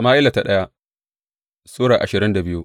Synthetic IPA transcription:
a˨maː˦ʔɪ˦la˨ta˨ɗɐ˦ja˦ | soː˦ɽaː˨ʔa˨ʃɪ˨ɾɪ˦nda˨bɪ˦ju˦

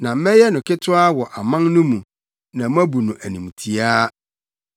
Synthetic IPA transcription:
nã˨m̩˦mɛ˦jɛ˦nʊ̃˨kɪ˦tʰʊ˦a˦wɔ˨ʔa˨mã˦nnʊ̃˦mũ˨ | nã˨m˦æ̃˦bu˨nʊ̃˨ʔæ˨nĩ˨m˨tʰi˨aː˦

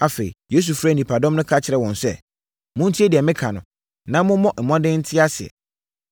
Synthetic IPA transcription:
a˨fe˨ḭ˨je˦s̬u˨fɾa˦˨nĩ˨pʰa˨dɔ̃˦mnʊ̃˦kʰa˦t͡ɕʰɪ˨ɾɛ˦˨wɔ̃˨nsɛ̰˦ | mʊ̃˦n̩˦tʰi˦e˦di˨ɛ˨mɪ̃˦kʰa˨nʊ̰̃˨ | nã˦mʊ̃˦mɔ̃˦ʔm̩˨mɔ̃˦dɪ̃˦n̩˦tʰɪ˦a˦sɪ˨ɛ̰˨

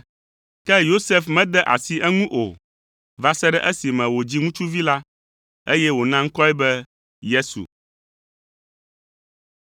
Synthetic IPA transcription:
kɛ˦jo˦se˨fmɛ̃˦d̪ɛ˦ʔa̰˨si˨ʔɛ˦ŋũ˦ʔo̰˨ | va˨sɛ˦ɖɛ˦ʔɛ˦si˨mɛ̃˨wo˨d͡ʑi˦ŋũ˦t͡ʃu˦vi˦la˦ | e˦jɛ˦wo˨nã˦ŋ̩˦kɔ˦ɛ˦bɛ˦ | je˦sṵ˨

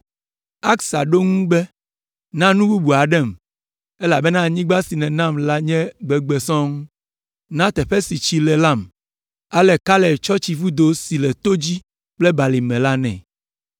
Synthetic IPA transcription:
a˦ksa˨ɖo˦ŋũ˦bɛ˦ | nã˦nũ˦bu˦bu˨a˨ɖɛ˦˨m | ɛ˦la˨bɛ˦nã˦˨ɲĩ˦ɡ͡ba˦si˨nɛ̃˨nã˦˨mla˦ɲɛ̃˦ɡ͡bɛ˨ɡ͡bɛ˨sɔ̃˦ŋũ˦ | nã˦t̪ɛ˨ɸɛ˦si˨t͡ɕi˨lɛ˨la˦˨m | a˦lɛ˨ka˦lɛ˨t͡ʃɔ˦t͡ɕi˨vu˦d̪o˦si˨lɛ˨t̪o˦d͡ʑi˦ | k͡plɛ˦ba˨li˨mɛ̃˨la˦nɛ̰̃˨

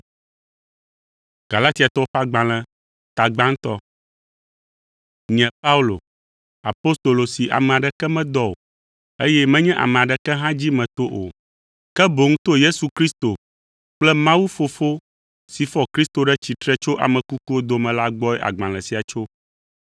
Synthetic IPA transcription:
ɡ̥a˨la˦t̪i˦a˨t̪ɔ˦ɸa˦ɡ͡bã˨l̃ɛ̃˨ | t̪a˨ɡ͡bã˦ŋ˦t̪ɔ˦ | ɲɛ̃˨pa˦u˦lo̰˨ | a˨po˦st̪o˨lo˨si˨ʔa̰˨mɛ̃˨a˨ɖɛ˨kɛ˦mɛ̃˦d̪ɔ˦o˨ | e˦jɛ˦mɛ̃˦ɲɛ̃˦ʔa̰˨mɛ̃˨a˨ɖɛ˨kɛ˦ɦã˦d͡ʑi˦mɛ̃˨t̪o˦ʔo̰˨ | kɛ˦bo˨ŋũ˦t̪o˦je˦su˨kɾi˦st̪o˨ | k͡plɛ˦mã˦wu˦fo˨fo˦ | si˨fɔ˦kɾi˦st̪o˨ɖɛ˦t͡ɕi˨t̪ɾɛ˦t͡ʃo˦ʔa̰˨mɛ̃˨ku˦ku˦wo˦d̪o˨mɛ̃˨la˦ɡ͡bɔ˦ɛ˦ʔa̰˨ɡ͡bã˨l̃ɛ̃˨si˨a˨t͡ʃo˦

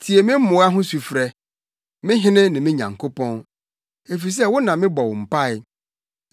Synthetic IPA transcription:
tʰi˨e˨mɪ̃˦m̩˦mʊ̃˨˦a˦ɦʊ̃˦su˨fɾɛ˦ | mɪ̃˦ɦɪ̃˦nɪ̃˦nɪ̃˨mɪ̃˦ɲã̰˨ŋkʰo˦pʰɔ̃˦n | e˨fi˨s̬ɛ˦wʊ˦nã˨mɪ̃˦bɔ˨wm̩˨pa˦ɪ˦˨

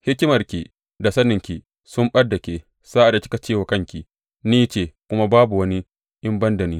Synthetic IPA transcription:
hɪ˦kʲɪ˦mɐ˨rkʲi˨ | da˨sɐ˦nɪ˨ŋkʲi˨ | sʊ˦mɓɐ˦dːa˨kʲeː˨ | saː˦ʔa˨da˨kʲɪ̥˦ka˨t͡ʃeː˦˨wa˨kɐ˦ŋkʲi˨ | niː˦t͡ʃeː˨kʷʊ˦ma˦baː˦bu˨wɐ˦ni˦ | ʔɪ˦mbɐ˦ndɐ˨niː˦

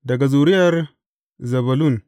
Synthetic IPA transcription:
da˨ɡa˨zu˨ɾi˦ja˦ɾ | zɐ˨βa˨lu˦˨n

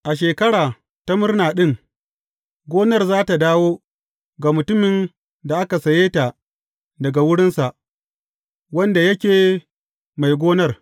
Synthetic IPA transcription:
ʔa˨ʃ̬eː˨kɐ˦ɽaː˨ | ta˦mʊ˦rnaː˨ɗɪ˦ŋ | ɡʷoː˦nɐ˦˨rzaː˦ta˨daː˦woː˦ | ɡa˨mʊ˨tʊ˦mɪ˨n | da˨ʔa˦ka˨sɐ˨jeː˦ta˨ | dɐ˨ɡa˨wʊ˦ɽɪ˦nsa˨ʔ | wɐ˦nda˨jɐ˦kʲeː˨ | ma˨jɡʷoː˦nɐ˦r

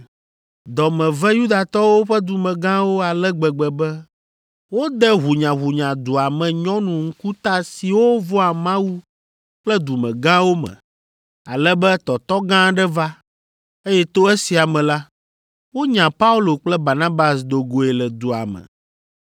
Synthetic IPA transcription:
d̪ɔ˨mɛ̃˨vɛ˦ju˦d̪a˨t̪ɔ˦wo˦ɸɛ˦d̪u˨mɛ̃˨ɡã˦wo˦a˨lɛ˦ɡ͡bɛ˨ɡ͡bɛ˨bɛ˦ | wo˦d̪ɛ˦ɦu˨ɲã˨ɦu˨ɲã˨d̪u˨a˨mɛ̃˨ɲɔ̃˦nũ˨ŋ̩˦ku˦t̪a˦si˨wo˦vɔ˦a˨mã˦wu˦ | k͡plɛ˦d̪u˨mɛ̰̃˨ɡã˦wo˦mɛ̰̃˨ | a˨lɛ˦bɛ˦t̪ɔ˨t̪ɔ˦ɡã˦ɖɛ˦va˦ | e˦jɛ˦t̪o˦ɛ˦si˨a˨mɛ̃˨la˦ | wo˦ɲã˨pa˦u˦lo˨k͡plɛ˦ba˨nã˦ba˨sd̪o˨ɡo˨e˨lɛ˨d̪u˨a̰˨mɛ̰˨

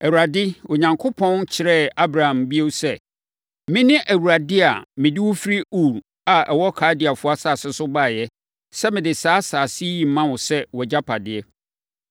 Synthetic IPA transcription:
æ˨wu˨ɾa˨dɪ˦wɔ˨ɲã˨ŋkʰʊ˦pʰɔ̃˦nt͡ɕʰɪ˨ɾɛ˦˨a˦bɾa˨hã˨mbi˦o˦wsɛ˦˨ | mɪ̃˦nɪ̃˦ʔæ˨wu˨ɾa˨dɪ˦a˨mɪ̃˨dɪ˦wʊ˦fi˦ɾi˦u˦˨ɾ | a˨ʔɛ˨wɔ˦kʰaː˨˦dɪ˨a˨fʊ˦a˦sa˦˨sɛ˦sʊ˦ba˦˨jɛ˦ | sɛ˦mɪ̃˨dɪ˨saː˦saː˨si˦ji˨m˨mã˦wʊ̃˨sɛ˦wɔ˨d͡ʑa˦pʰa˨dɪ˨ɛ˦

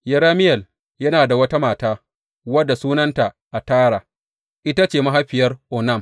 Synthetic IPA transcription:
jɐ˨ɾaː˦mɪ˦jɛ˨l | jɐ˦naː˨da˨wɐ˦ta˦maː˨taː˦ | wɐ˦dːa˨suː˦nɐ˦nta˨ | ʔa˨taː˦ɽaː˨ | ʔɪ˦ta˦t͡ʃeː˨ma˦ɦa˦ɸɪ˨jɐ˦rʔɔ˨nɐ˦˨m

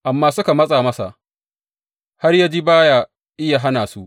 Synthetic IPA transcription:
ʔa˨mːaː˦sʊ˦ka˨mɐ˦sʼaː˨mɐ˦sa̰˨ʔ | ha˦rjaː˦d͡ʒiː˦baː˦ja˦ | ʔɪ˦ja˨ɦa˦naː˨su˦ʔ

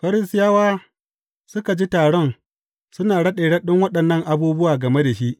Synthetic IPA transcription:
ɸɐ˦ɾɪ˦stɪ˦jaː˦waː˦ | sʊ˦ka˨d͡ʒi˦taː˨ɽɔ˦n | sʊ˦naː˨ɽɐ˦ɗeː˨ɽɐ˦ɗɪ˦ŋwɐ˦ɗɐ˨nːɐ˦ŋʔa˨buː˦bʊ˦waː˨ɡɐ˨me˦da˨ʃi˦ʔ

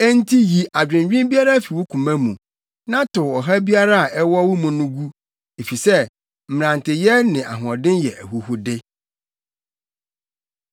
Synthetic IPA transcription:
æ˦n̩˦tʰi˦ji˨ʔa˨d͡ʑᶣɪ̃˨m˨ɥᶣĩ˦mbi˦a˦ɾa˦fi˨wʊ˦kʰũ˨mæ̃˦mũ˨ | nã˦tʰʊ˨ɔ˨ɦa˦bi˦a˦ɾa˦a˨ʔɛ˦wɔ˦wʊ̃˦mʊ̃˨nʊ̃˦ɡu˦ | e˨fi˨sɛ˦ | m̩˨m̃˨ɾã˨ntɪ˨jɛ˦nɪ̃˨ʔa̰˨ɦʊ˨ɔ̃˨dɪ̃˦njɛ˨ʔæ̰˨hu˨hʊ˦dɪ˦

